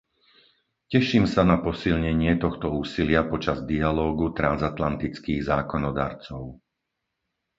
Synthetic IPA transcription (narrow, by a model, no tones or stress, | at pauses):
cɛʃiːmsanapɔsilɲɛɲɪɛt̪ɔxt̪ɔuːsilɪapɔt͡ʃazd̪ialɔːɡut̪ɾanzat̪lant̪it͡skiːɣzaːkɔnɔd̪a̰ːɾt͡sɔʊ